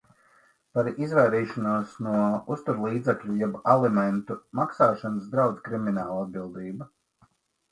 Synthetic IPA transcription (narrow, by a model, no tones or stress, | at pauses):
paɾizvajɾiːʃɔnuɔsnuɔust̪uɾlˠiːd̪zɛklʲujɛbalˠɛmɛnt̪umaksaːʃanəs̬d̪ɾawd̪zkɾiminaːlˠad̪̚bilˠd̪iːbu